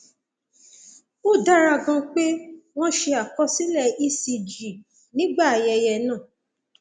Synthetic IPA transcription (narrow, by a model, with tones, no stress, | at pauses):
o˦˨da˦ɾa˧˨ɡã˧k͡pe˦w̃ɔ̃˦ʃe˧a˨kɔ˦si˦lɛ˦˨i˦si˧d͡ʒi˨ | nĩ˦ɡ͡ba˦˨a˨jɛ˧jɛ˧nãː˦˨